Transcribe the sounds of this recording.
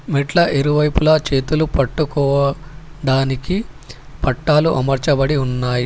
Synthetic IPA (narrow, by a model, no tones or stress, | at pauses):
miʈlɐʔeɾuʋɐjpulɐːt͡ʃe̞ːt̪ulupɐʈːukɔːʋɐɖaːniki | pɐʈːaːluʔɐmɐɾt͡ʃɐbɐɽiunːaːji